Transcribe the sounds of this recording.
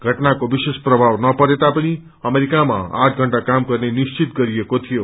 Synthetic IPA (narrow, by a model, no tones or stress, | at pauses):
ɡʱəʈnakoʋiʃeʃpɾəbʱaʋnʌpəɾet̪apəɽ̃i | əmeɾikamã̰a̰ʈʰɡʱəɳʈakamkəɾneniʃt͡ʃit̪̚ɡəɾiekot̪ʰijo